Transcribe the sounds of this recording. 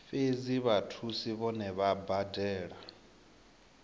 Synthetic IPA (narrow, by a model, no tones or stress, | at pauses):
feziβatʰusiβɔnɛβabadɛːɺa